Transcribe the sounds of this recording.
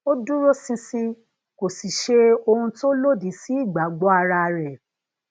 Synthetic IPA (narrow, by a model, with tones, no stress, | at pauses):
o˦du˦ɾo˦sĩ˧sĩ˧ | ko˨si˨ʃe˧o˧ɾũ˧to˦lo˦˨di˨˦si˨˦i˦˨ɡ͡ba˨˦ɡ͡bɔ˦a˧ɾa˧ɾɛ˨